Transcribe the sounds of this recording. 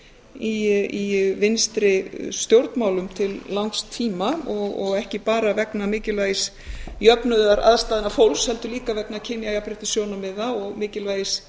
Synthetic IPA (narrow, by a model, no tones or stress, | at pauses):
iivɪnst̪ɾɪst̪jowɾt̪nmaːwlʏmt̪ʰɪlːawŋkst̪ʰːiːmaɔɣɔɣɛhcɪpaːɾavɛknamɪːcɪlvaːjɪs | jœpnʏðaɾa̰ðst̪aːðɪnafowlshɛlt̪ʏliːkavɛknacʰɪnjajapɾɪt̪ɪsjownamɪðaɔɣmɪːcɪlvajɪs